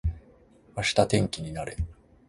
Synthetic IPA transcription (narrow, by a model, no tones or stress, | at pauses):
βaɕi̥t̪at̪ẽ̞ŋkʲiɲ̟inaɾe̞